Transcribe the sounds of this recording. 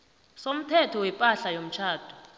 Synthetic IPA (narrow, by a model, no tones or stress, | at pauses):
som̩tʰɛtʰɔwɛpʼaɬajom̩t͡ʃʰaːd̥ʰʱʼu̥